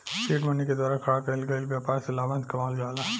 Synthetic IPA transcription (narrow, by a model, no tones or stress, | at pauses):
siːʈmɐnːiked̪waːɾakʰɐɽakɐɪlɡɐilbjaːpaːɾselaːbãnt̪kɐmaːld͡ʒaːla